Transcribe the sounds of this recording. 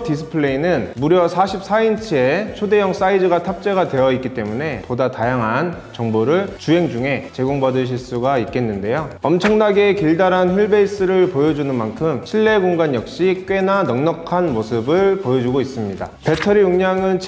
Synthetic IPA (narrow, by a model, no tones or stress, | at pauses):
tis̬ʰɯ̥pʰɯɭeinɯnmuɾjʌsʰaɕʰip̚s͈aint͡ɕʰiet͡ɕʰode̞jʌŋs͈aid͡ʑɯɡatʰap̚t͡ɕ͈e̞ɣadwe̞jʌik͈it͈e̞mune̞podatajaŋɦan | t͡ɕʌŋboɾɯɭt͡ɕue̞ŋd͡ʑuŋe̞t͡ɕe̞ɡoŋbadɯɭɕ̬ʰiɭs͈uɡaik͈e̞nːɯnde̞joʌmt͡ɕʰʌŋnaɡe̞kiɭdaɾɦançiɭbe̞is͈ɯɾɯɭpojʌd͡ʑunɯnmankʰɯmɕʰiɭːe̞ɡoŋɡanjʌk̚ɕ͈ik͈ɥwe̞nanʌŋɲʌkʰanmosʰɯbɯɭpojʌd͡ʑuɡois͈ɯmɲida̰pe̞tʰʌɾijuŋɲaŋɯnt͡ɕʰ